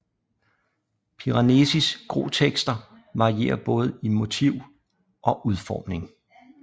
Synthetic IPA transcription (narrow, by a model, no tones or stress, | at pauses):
pʰiʁɑ̈ne̝sisɡ̥ʁo̝̰ːt͡sʰeɡ̥sd̥ɐ | ʋɑ̈ʁie̝̰ːɐb̥ɔ̽ːð̞̩ˠimo̝t͡sʰiʊ̰ | ʔɒ̽ʔuð̞ˠfɒ̰ːmne̝ŋ